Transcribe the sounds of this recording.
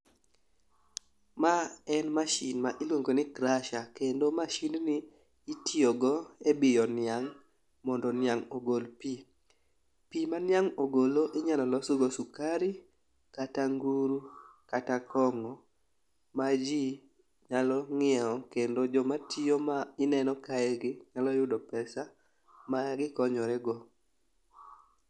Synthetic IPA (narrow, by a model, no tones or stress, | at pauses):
maɛnmaʃinmaʔɪlwoŋɡonɪkɾaʃakendomaʃinniː | tioɡɔebɪjɔnɪaŋ | mɔndɔnɪaŋoɡolpi | pimanɪjaŋoɡoloʔɪɲalɔlɔsoɡosukaɾi | kataŋɡuɾukatakɔŋɔ | mad͡ʒi | ɲalɔŋɪɛɔkendod͡ʒɔmatʰiomaɪnɛnɔkaɛɡɪɲalɔjʊdɔpɛsa | maɡɪkɔɲɔɾɛɡɔ